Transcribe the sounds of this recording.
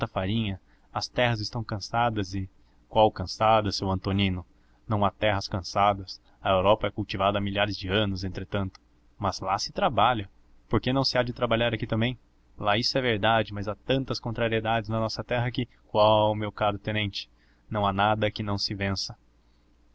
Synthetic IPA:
t̪ɐfaɾĩɲɐ | ɐst̪ɛɦɐzɪst̪ɐ̃w̃kɐ̃sad̪ɐzɪ | kwawkɐ̃sad̪ɐsewɐ̃nt̪onĩnʊ | nɐ̃w̃at̪ɛɦɐskɐ̃sad̪ɐs | ɐewɾɔpɐɛkuwt͡ʃivad̪ɐamiʎaɾɪzd͡ʒɪɐ̃nʊz̬ẽnt̪ɾet̪ɐ̃nt̪ʊ̥ | mɐz̥lasɪt̪ɾabaʎɐ | poɾkenɐ̃w̃sɪad͡ʒɪt̪ɾabaʎaɾɐkit̪ɐ̃mbẽj̃ | laisʊɛveɾd̪ad͡ʒɪmɐzat̪ɐ̃nt̪ɐskõnt̪ɾaɾied̪ad͡ʒɪznɐnɔsɐt̪ɛɦɐkɪ | kwawʊmewkaɾʊt̪ẽnẽnt͡ʃɪ̥ | nɐ̃w̃anad̪ɐkɪnɐ̃w̃sɪvẽsɐ

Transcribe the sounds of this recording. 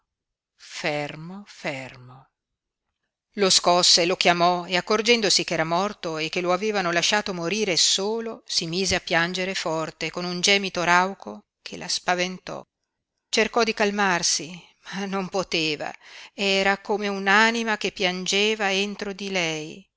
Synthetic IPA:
fermofermo | loskɔsːelokjamɔeakːord͡ʒɛnd̪osik̟ɛːɾamɔrt̪oek̟ːeloaveːvanolaʃːaːt̪omoɾiːɾesoːlosimiːzeapːjand͡ʒeɾefɔrt̪ekonund͡ʒɛːmit̪oɾawkʰo | kʰelʔa̰spavent̪ɔ̰ | t͡ʃerkɔd̪ikalmarsi | manːompot̪eːva̰ɛːɾakomeunanimakepːjand͡ʒeːvaent̪ɾod̪ilɛj

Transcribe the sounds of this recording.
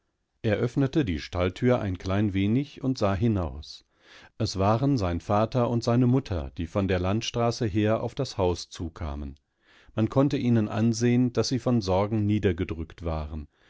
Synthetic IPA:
ʔeːɐʔœfnətədḭːʃtaltʰyːɐʔa̰ɪnkʰl̥aɪnveːnɪçʊntz̥aːɦɪnaʊs | ʔɛsv̥aːʁənzaɪnfaːtʰɐʊntz̥aɪnəmʊtʰɐ̰d̥iːfɔndeːɐlantʃtʁ̥aːsəɦeːɐʔa̰ʊfd̥ashaʊst͡suːkʰa̰ːmən | mankʰɔntəʔiːnənʔa̰nzeːənd̥asz̥iːfɔnzɔɐɡŋ̩niːdɐɡədʁʏktv̥aːʁən

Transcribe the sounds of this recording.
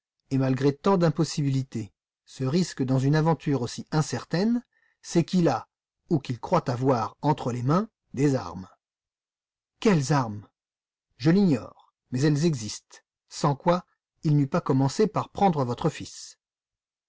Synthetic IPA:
emalɡʁet̪ɑ̃d̪ɛ̃pɔsibilit̪e | səʁiskd̪ɑ̃zynavɑ̃t̪ʰyʁosiɛ̃sɛʁt̪ɛn | sɛkʲila | ukʲilkχwat̪avwaʁɑ̃t̪χəlemɛ̃ | d̪eza̰ʁm | kʲɛlzaʁm | ʒəliɲɔ̰ːʁ | mɛzɛlzɛɡzist̪ | sɑ̃kwa | ilnypakɔmɑ̃sepaʁpχɑ̃d̪ʁəvɔt̪χəfis

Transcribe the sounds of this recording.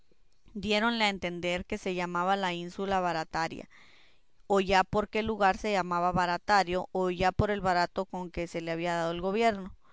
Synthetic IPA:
d̪je̞ɾo̞nleaent̪e̞nd̪e̞ɾke̞se̞ʝamaβalainsulaβaɾat̪aɾja̰ | oʝapo̞ɾke̞luɣaɾse̞ʝamaβaβaɾat̪aɾjo̞ʔːʝapo̞ɾe̞lβaɾat̪o̞ko̞ŋke̞se̞le̞aβiaðaðo̞elɣo̞βje̞ɾno̞

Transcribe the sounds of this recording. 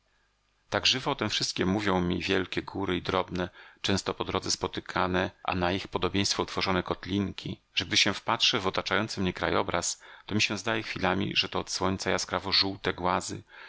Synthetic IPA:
t̪aɡʐɘvɔɔt̪ɛmfʂɘst̪̚kʲɛmuvʲjɔ̃w̃mʲivʲjɛlkʲɛɡuɾɘid̪ɾɔbnɛt͡ʂɛ̃w̃st̪ɔpɔd̪ɾɔd̪zɛspɔt̪ɘkʰanɛʔa̰naixpɔd̪ɔbʲjẽj̃st̪fɔut̪fɔʐɔnɛkɔt̪lʲiŋkʲi | ʐ̥ɛɡ̚d̪ɘɕɛfpatʂɛvɔt̪at͡ʂajɔnt̪sɘmɲɛkɾajɔbɾa̰st̪ɔmʲiɕɛ̃zd̪ajɛxfʲilamʲḭʐɛt̪ɔːt̪swɔɲʲt̪sajaskɾavɔʐuwt̪ɛɡwazɘ̰

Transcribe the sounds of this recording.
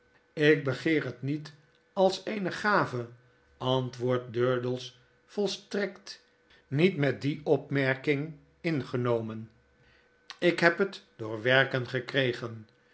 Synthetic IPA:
ɪk̚bəχɪːrɦətnit | ɑlˠsejnəχaːvə | ɑntʋʊːɹt̚døɹdəlˠs | fɔlˠstrɛkt | nitmɛt̚diɔpmɛɹkɪŋ | ɪnχənowmən | ɪkɦɛpɦətd̥ʊːɹʋɛɹkənχəkrejχən

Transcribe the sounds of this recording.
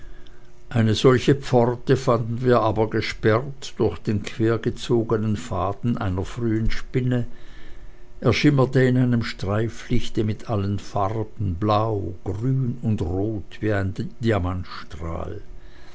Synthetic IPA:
ʔaɪnəzɔlçəp͡fɔʁtəfandn̩viːɐʔaːbɐɡəʃpɛʁtd̥ʊɐçd̥eːnkʰv̥eːɐɡət͡soːɡənənfaːdn̩ʔa̰ɪnɐfʁyːənʃpɪnə | ʔeɐʃɪmɐtəɪnaɪnəmʃtʁ̥aɪflɪçtəmɪtʰʔalənfaʁbn̩blaʊɡ̥ʁyːnʊndʁoːtv̥iːaɪndiamantʃtʁ̥a̰ːl

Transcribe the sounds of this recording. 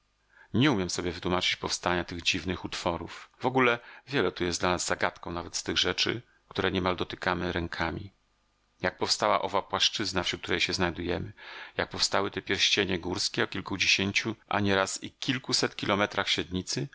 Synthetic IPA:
ɲɛumʲjɛmsɔbʲjɛvɘt̪wumat͡ʂɘ̥t͡ɕpɔfst̪aɲat̪ɘɣd͡ʑivnɘxut̪fɔɾufvɔɡulɛvʲjɛlɛt̪ujɛsd̪lanazːaɡat̪kɔ̃w̃navɛt̪st̪ɘɣʐɛt͡ʂɘ̰ | k̚t̪uɾɛɲɛmald̪ɔt̪ɘ̥kamɘɾɛŋkʰamʲḭ | jak̚pɔfst̪awa̰ʔɔvapwaʂt͡ʂɘznafɕut̪̚t̪uɾɛjɕɛznajd̪ujɛmɘjak̚pɔfst̪awɘt̪ɛpʲjɛɾɕt͡ɕeɲɛɡuɾskʲɛɔkʲilkud͡ʑeɕeɲt͡ɕuʔa̰ɲɛɾasikʲilkusɛt̪kʲilɔmɛt̪ɾaxɕɛd̪ɲit̪sɘ

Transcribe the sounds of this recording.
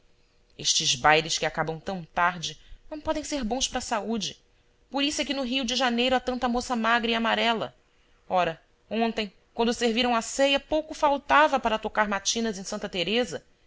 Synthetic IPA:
eʃt͡ʃɪzbajɾɪʃkɪakabɐ̃w̃t̪ɐ̃w̃t̪aɾd͡ʒɪnɐ̃w̃pɔd̪ẽj̃seɾbõw̃ʃpɾɐsaud͡ʒɪ | poɾisʊɛkɪnʊɦiwd͡ʒɪʒanejɾʊat̪ɐ̃nt̪ɐmosɐmaɡɾiamaɾɛlɐ̰ | ɔɾɐ | õnt̪ẽj̃ | kwɐ̃nd̪ʊseɾviɾɐ̃w̃asejɐpowkʊfawt̪avɐpaɾɐt̪okaɾmat͡ʃĩnɐzẽj̃sɐ̃nt̪ɐt̪eɾezɐ

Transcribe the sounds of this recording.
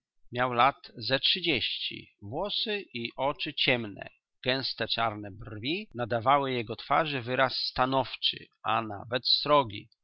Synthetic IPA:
mʲjawlat̪zɛtʂɘd͡ʑeɕt͡ɕḭvwɔsɘiʔɔt͡ʂɘt͡ɕɛmnɛ̰ | ɡ̥ɛ̃w̃st̪ɛt͡ʂaɾnɛbrvʲinad̪avawɘjɛɡɔt̪faʐɘvɘɾasːt̪anɔft͡ʂɘ̰ | ana̰vɛt̪st̪ɾɔɡʲḭ

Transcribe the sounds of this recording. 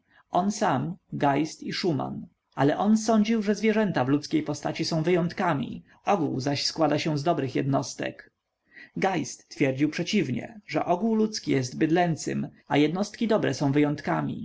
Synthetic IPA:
ɔnsamɡajst̪iʂuma̰n | ʔalɛʔɔnsɔɲd͡ʑiwʐɛzvʲjɛʐɛnt̪avlut̪skʲejpɔst̪at͡ɕisɔ̃w̃vɘjɔ̃nt̪kamʲḭ | ɔɡuwzaɕskwad̪aɕɛzd̪ɔbɾɘxjɛd̪nɔst̪ɛ̰k | ɡajst̪ːfʲjɛɾd͡ʑiwpʂɛt͡ɕivɲɛ̰ʐɛ̰ʔɔɡuwlut̪skʲijɛst̪bɘd̪lɛnt̪sɘ̰m | ajɛd̪nɔst̪kʲid̪ɔbɾɛsɔ̃w̃vɘjɔ̃nt̪kamʲḭ

